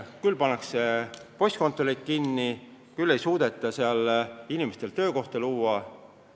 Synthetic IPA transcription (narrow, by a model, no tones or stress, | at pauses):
kylpɑnːɑkse̞po̞sʲt̪̚ko̞nt̪ˑːolik̪̚kinːi | kylːe̞jsuːd̪̥e̞t̪ˑːɑseɑlinʲimest̪e̞lt̪ø̞ːko̞ht̪ɑluːɑ